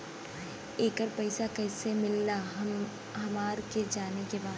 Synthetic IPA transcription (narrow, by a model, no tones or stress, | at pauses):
eːkəɾpɐɪsakɛːsemɪlːa | ɦɐmaːɾked͡ʒaːnekebaːd̪